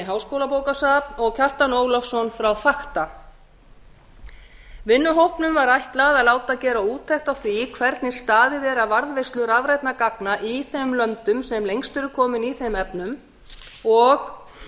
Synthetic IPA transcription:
ɦawskowlapowkasapnɔɣcʰar̥t̪anoːwlɔfsɔnfɾawθaxt̪a | vɪnːʏɦowhpnʏmvaɾajht̪laðalaːwt̪acɛːɾauːt̪ʰːajht̪awθikʰvɛɾt̪nɪst̪aːðɪðɛːɾavaɾðvejst̪lʏɾavɾajt̪nakaknaʔiθɛmlœmt̪ʏmsɛmlejŋst̪ʏɾʏkʰɔːmɪniθemɛpnʏm | ɔɣ

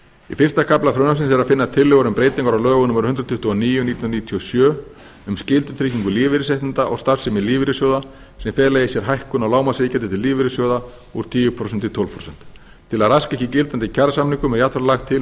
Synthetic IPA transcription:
ḭfɪr̥st̪akʰaplaθɾʏːnams̬ɪnsɛɾaðfɪnːat̪ʰɪlːʏɣaɾʏmpɾeːjt̪ɪiŋkaɾawlœːɣʏnʏmɾnʏnɾʏt̪ʰʏht̪uɔniːjʏnit̪ʰnniːt̪ʰiɔsjœː | ʏmscɪlt̪ʏθɾɪhciŋkʏliːvɪɾɪsejht̪ɪnt̪aʔɔ̰ɣst̪aɾ̥sɪmɪliːvɪɾɪsjowða | sɛmfɛːlajɪsjɛɾ̥ɦajhkʏnawlaːwmasɪcant̪ɪt̪ʰɪliːvɪɾɪsjowða | uɾt̪ʰiːjʏpʰɾɔsɛnt̪ɪt̪ʰɔl̥pʰɾɔsɛn̥t̪ | t̪ʰːɪlaðraskɛhcɪcɪlt̪ant̪ɪcʰaɾsamniŋkʏmɛɾjat̪ʰvaɾlaxt̪ʰːɪl

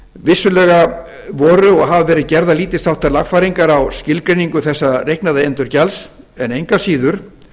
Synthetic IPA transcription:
vɪsːʏlɛɣa | vɔːɾʏɔɣɦavvɛːɾɪcɛɾðaliːt̪ɪsθawht̪aɾlaɣfaɾiŋkaɾawscɪlkɾejniŋkʏθɛsːarejhknaðaent̪ʏɾ̥cals | ɛnejŋkasiːðʏɾ̥

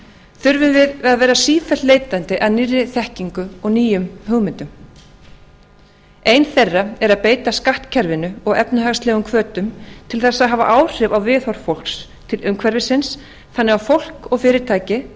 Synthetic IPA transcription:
θʏɾvʏmvɪðaðvɛːɾasiːfɛ̥t̪leːjt̪ant̪ɪʔaðnɪrːɪθɛhciŋkʏɔɣniːjʏmɦœɣmɪnt̪ʏm | ejnθerːaɛɾaðpeːjt̪askaht̪cʰɛɾvɪnʏɔɣɛpnʏɦaɣst̪lɛːɣʏmkʰvœːt̪ʏmt̪ʰɪlθɛsːaðɦaːva̰ʔaːwr̥ɪvawvɪːðhɔɾ̥fowl̥ks | t̪ʰɪlʔʏmkʰvɛɾvɪsɪns | θanːɛɣawfowl̥kɔɣfɪːɾɪɾt̪ʰaːjcɪ

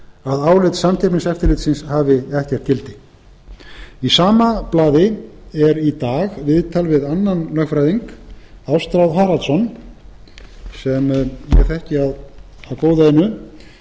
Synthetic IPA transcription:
aðaːwlet̪samc̪ʰɛpnɪnsɛft̪ɪɾlɪːt̪sɪnshaːvɪɛht̪ɛr̥t̪cɪlt̪ɪ | isaːmaplaːðɪɛɾit̪aːɣvɪðt̪ʰalvɪðanːanlœxfɾajðiŋkawst̪ɾawðɦaːɾalt̪sɔn | sɛmjɛθɛhcɪaðaðkoːwðaɪnːʏ

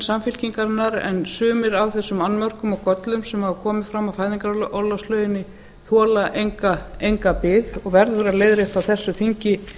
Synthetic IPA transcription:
samfɪlciŋkaɾnːaɾɛ̰nsʏːmɪɾawθɛsːʏmanːmœr̥kʏmɔɣkɔt̪lʏmsɛmhavakʰɔːmɪfɾamːafaːjðiŋkaɾʔɔlast̪lœːɥjɪnːɪ | θɔːlaʔejŋkaejŋkapɪðɔɣvɛɾðʏθʏɾaleːjðɾɪht̪awθɛsːʏθiɲcɪ

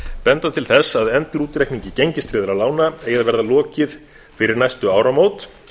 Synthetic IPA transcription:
pɛnt̪at̪ʰɪlθɛsːaðɛnt̪ɪɾuːt̪ɾɛhkniɲcɪcejɲcɪst̪ɾɪːðʏɾawlaːwnaeːjaðvɛɾðalɔːcɪð | fɪɾɪɾnajst̪ʏaːwɾamoːwt̪

